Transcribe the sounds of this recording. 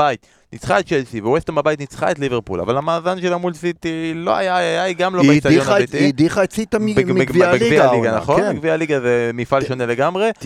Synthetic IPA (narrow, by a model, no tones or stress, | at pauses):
ait̪ | nʔit͡sχaet̚t͡ʃelsivewest̪ambabait̪nit͡sχa̰etliveʁpṵla̰valamaːzanʃelamulsit̪ilo̞̰a̰jajajɡamlomejsaonat̪id̪iχaet͡sit̪amiebevialiɡana̰χo̞niɡvialiɡazemifalʃo̞ne̞le̞ɡamʁe̞